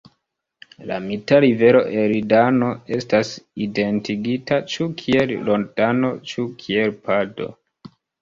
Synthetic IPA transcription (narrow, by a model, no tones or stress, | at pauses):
la̰mitaɾive̞ɾo̞ʔeɾidano̞e̞staside̞ntiɡitat͡ʃukʰie̞lːo̞ndano̞t͡ʃukʰie̞lpado̞̰